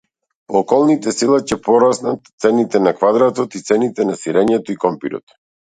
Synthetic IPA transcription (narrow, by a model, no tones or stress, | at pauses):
ɔːkɔlˠnit̪ɛsilˠacɛpɔɾasnat̪t̪sɛnit̪ɛnakvad̪ɾat̪ɔt̪it̪sɛnit̪ɛnasiɾɛɲɛt̪ɔikɔmpiɾɔ̰t̪